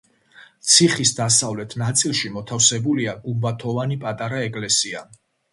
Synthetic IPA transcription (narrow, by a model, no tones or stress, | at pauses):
t̪sʰiχisd̪asavlɛt̪ʰnat̪sʼilˠʃimɔt̪ʰafsɛbuliaɡumbat̪ʰɔvanipʼat̪ʼaɾaɛkʼlɛsia